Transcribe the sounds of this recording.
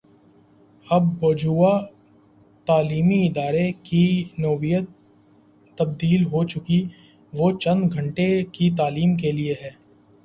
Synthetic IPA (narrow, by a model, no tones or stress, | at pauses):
ɐbːd͡ʒuːa | t̪aːliːmiɪd̪aːɾekinoːbijət̪ː | ɐb̚d̪iːlɦot͡ʃʊki | ʋoːt͡ʃɐ̃nd̪ɡʱɐ̃ɳʈekit̪̬aːliːmkelieɦɛː